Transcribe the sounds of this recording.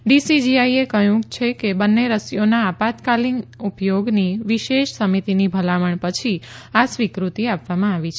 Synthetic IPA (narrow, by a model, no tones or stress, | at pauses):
ɖisid͡ʒiaiekəjũt͡ʃʰekebənːeɾəsjonaːpat̪kalinupjoɡniʋiʃeʃsəmit̪inibʱəlaməɳpət͡ʃʰiasʋikɾut̪iapʋamãaʋit͡ʃʰe